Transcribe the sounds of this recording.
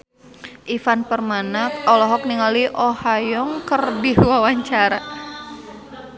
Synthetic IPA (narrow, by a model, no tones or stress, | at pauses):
ʔifanpərmanak̚alɔɦɔk̚niŋaliʔɔhajɔŋkərdiwawaɲt͡ʃaɾa